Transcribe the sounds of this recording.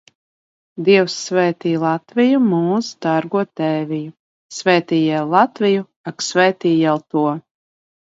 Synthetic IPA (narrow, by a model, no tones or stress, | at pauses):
d̪iɛwsːvɛːt̪iːlˠat̪vʲijumuːzd̪aɾɡuɔt̪ɛːviju | svɛːt̪iːjɛlˠat̪vʲiju | aksvɛːt̪iːjɛwt̪uɔ